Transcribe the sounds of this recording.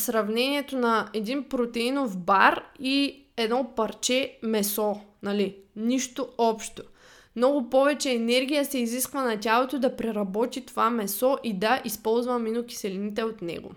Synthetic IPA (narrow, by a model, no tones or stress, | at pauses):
sɾɐvnɛnʲiɛt̪onɐɛd̪inpɾot̪ɛinofbaɾi | ɛd̪nɔpɐɾt͡ʃɛmɛsɔnɐliniʃt̪oɔpʃt̪o | mnɔɡʊpɔvɛt͡ʃɛːnɛɾɡ̟ʲijəsɛiziskvɐnɐtʲalˠot̪od̪ɐpɾɛɾɐbɔt̪it̪ovamɛsɔʔid̪ɐʔispɔlˠzvɐminokʲi̥sɛlinit̪ɛot̪nɛ̰ɡo̰